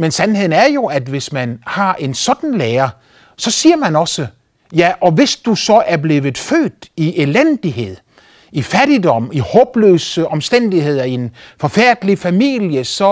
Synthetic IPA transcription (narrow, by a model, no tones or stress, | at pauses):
mensænhe̝ð̞̰ˠn̩æɐjo̝æd̥ʋe̝smænhɑ̈ʔe̝nsɒ̽d̥n̩leːɐ | sɒ̽siːɐmænɒ̽sə | jæʔɒ̽ʋe̝sd̥usɒ̽ʔæɐble̝ːʋð̩ˠfø̰ːd̥iʔelend̥iɦe̝ð̞̰ˠ | ifæɾ̥idɒ̽m̰ihɔːb̥lø̰ːsəʔɒ̽msd̥en̰d̥ihe̝ð̞̰ˠɐie̝nfɒ̽fæɐ̰d̥əlifæmiljəsɒ̽